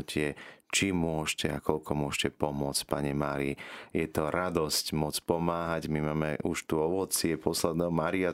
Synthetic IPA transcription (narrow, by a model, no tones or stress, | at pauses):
cʰɪɛt͡ʃimʊɔʃcɛakɔʎkʰɔmʊɔʃcɛpɔmʊɔt͡sc̚paɲɛmaːɾijɛt̪ɔɾad̪ɔscmɔt͡spɔmaːɦaɟmimaːmɛ̰uʃt̪uɔʋɔt͡sɪɛpɔslɛd̪nɛːɦɔmaːɾia